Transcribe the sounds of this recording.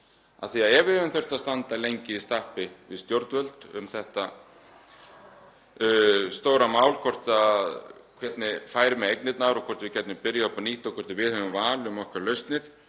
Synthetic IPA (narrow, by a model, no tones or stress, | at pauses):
a̰ðθiaðɛɾvɪɾvɪnθœj̥r̥t̪aðst̪ant̪alejɲcɪist̪ahpɪvɪðst̪jowɾt̪vœlt̪ʏ̰mθɛht̪a | st̪oːwɾamaːwlkʰvɔr̥t̪aðkʰvɛt̪nɪfaːjɾɪmɛejknɪt̪naɾɔkʰvɔɾ̥t̪vɪcɛt̪nɪpɪɾjaɔpaniːht̪akʰɔɾ̥t̪ɪvɪðhœvʏmvaːlɪʏmɔhkʰvɛɾlœɥst̪nɪɾ̥